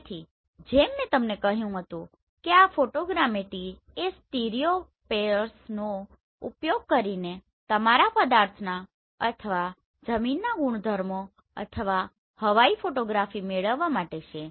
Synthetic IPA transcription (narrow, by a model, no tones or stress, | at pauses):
t̪ʰi | d͡ʒemːɛ̃t̪əmnekəɦjũɦət̪ũ | keafoʈoɡɾameʈi | esʈiɾijo | peəɾsno | ṵpjoɡ̚kəɾine | t̪əmaɾapəd̪aɾt̪ʰna | ət̪ʰəʋa | d͡ʒəminːaɡuɳ̃d̪ʱəɾmo | ə̰t̪ʰəʋa | həʋaifoʈoɡɾafimeɭəʋːamaʈet͡ʃʰe